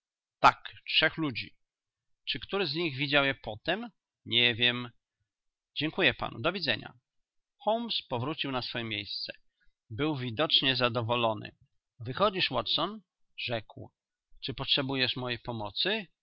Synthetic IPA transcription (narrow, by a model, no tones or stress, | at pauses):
t̪akt͡ʂʂɛxlud͡ʑḭ | t͡ʂɘkt̪uɾɘzɲiɣvʲid͡ʑawjɛpɔt̪ɛm | ɲɛvʲjɛm | d͡ʑɛŋkujɛpa̰nṵd̪ɔvʲid̪zɛɲa̰ | xɔwmspɔvɾut͡ɕiwnasfɔjɛmʲjejst̪sɛ̥ | bɘwvʲid̪ɔt͡ʂɲɛzad̪ɔvɔlɔnɘ̰ | vɘxɔd͡ʑiʂwɔt̪sɔn | ʐɛkw | t͡ʂɘpɔtʂɛbujɛʂmɔjejpɔmɔt̪sɘ